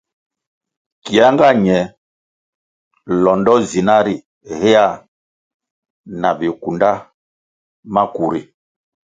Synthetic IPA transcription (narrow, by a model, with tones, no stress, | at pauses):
ki˨a˦ŋɡa˦ɲɛ˨ | lɔ˨ndɔ˦zi˨na˦ɾi˨ | he˦a˦˨ | na˨vi˨ku˨nda˦ | ma˦ku˨ɾi˨